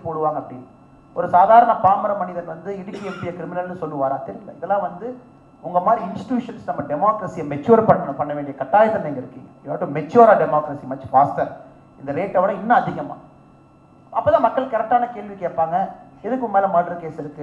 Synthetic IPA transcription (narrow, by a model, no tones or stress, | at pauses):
poːɽɯʋaːŋɡɐpːɐɽɪnːɯ | ɔɾɯsaːðaːɾɐɳɐkaːmɐɾɐmɐɳɪðɐlʋɐnd̪ɯɪɽɯkːiɛpːɪjɐkɪɾɪmɪnɐlnɯsɔlːɯʋaːɾãːt̪ɪɾlɐɪðɛlːãːʋɐnd̪ɯ | ʊŋɡɐmaːd̪ɾiɪnsʈjuːʂɐnsnɐmːɐɖɛmoːkɾɐsijɐmɛt͡ʃːuːɾpɐɳːɐnɐpɐɳːɐʋeːɳɖijɐkɐʈːaːjɐt̪ːɐnɛŋɡɐɪɾɯkːiːŋɡɐɪaːʈːɯ̃mɛt͡ʃːuːɾaːɖɛmoːkɾɐsimɐt͡ʃːfaːsʈɐɾ | ɪnd̪ɐɾeːʈːɐʋɐɽɐ̃ɪnːɐɐðɪɣɐma̰ː | ɐpːoːt̪ãːmɐkːɐɭkɐɾɛk̚ʈːaːnɐkeːɭʋikeːʈpaːŋɡɐ | ɛðɯkːʊmmeːlɐmaːʈɾɐkeːsɪɾɯkːɯ